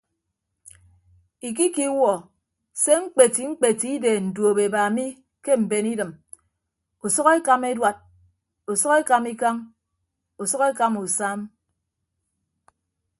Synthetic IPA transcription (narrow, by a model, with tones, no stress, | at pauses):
i˨k̬i˦ki˦wɔ˨ | se˦ŋ͡m̩˦k͡pe˨ti˨ŋ͡m̩˦k͡pe˨ti˦i˦de˨n̩˨du˨o˨be˨ba˨mi˦ | ke˦m̩˨be˨ni˦dɨ˨m | o˨sɔ˦ke˦ka˦me˦dwa˨d̚ | o˨sɔ˦ke˦ka˨mi˦ka˦ŋ | o˨sɔ˦ke˦ka˦mu˨sa˦m